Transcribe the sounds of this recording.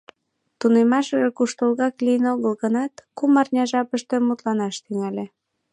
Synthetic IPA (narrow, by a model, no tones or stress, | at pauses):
t̪unemɑʃəʒekuʃt̪olɣɑklijənoɣəlɣənɑt̪kumɑrnʲɑʒɑpəʃt̪ĕmut̪lɑnɑʃt̪yŋælʲe